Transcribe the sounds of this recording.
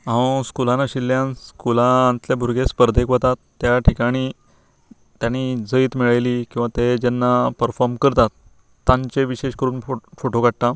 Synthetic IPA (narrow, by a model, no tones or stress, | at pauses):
ɦãskulãnaɕilːjãnskulat̪lebʱuɾɡʱespəɾd̪ʱekʋət̪at̪ːjaʈʰikaɽ̃iː | t̪janid͡zəiːt̪miɭajliːkĩw̃ʋat̪ed͡ʑenːapəɾfɔɾmkəɾt̪at̪ː | ãɲt͡ɕeʋiɕeɕkəɾuːnfoʈokaʈ̚t̪a